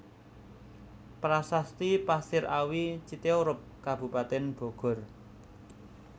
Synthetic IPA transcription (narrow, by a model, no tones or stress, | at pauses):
pɾasast̪ipasɪɾawit͡ʃit̪euɾʊp̚kab̥ṳpat̪ɛnb̥o̤ɡ̥ɔ̤r